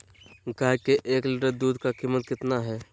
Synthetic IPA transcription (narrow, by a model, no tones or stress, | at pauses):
ɡaːjkeʔeːklɪʈəɾd̪uːd̪kakiːmːət̪̚kɪt̪naɦɛː